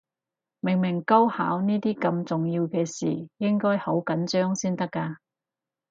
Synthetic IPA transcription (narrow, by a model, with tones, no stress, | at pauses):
mɪ˨˩ŋmɪ˨˩ŋkɐ˥wha̰ː˨˥wniː˥t̪iː˥kɐ˧mt͡sʊ˨ŋjiː˧wkɛː˧sḭː˨˩jɪ˥ŋkɔː˥jho˨˥wkɐ˨˥nt͡ʃœː˥ŋsiː˥nt̪ɐ˥kːaː˧